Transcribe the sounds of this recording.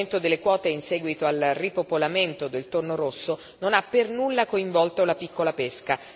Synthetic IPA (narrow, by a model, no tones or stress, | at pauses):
nt̪od̪elːekwɔːt̪einsɛːɡwit̪oalripopolament̪od̪elt̪ornoɾosːo | nonapːernulːakoiɱvɔlt̪olapikːolapeska